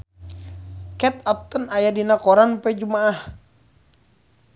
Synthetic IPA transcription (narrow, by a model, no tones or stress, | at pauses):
kɛt̪ap̚t̪ənajadinakɔɾanpɛd͡ʒumaːh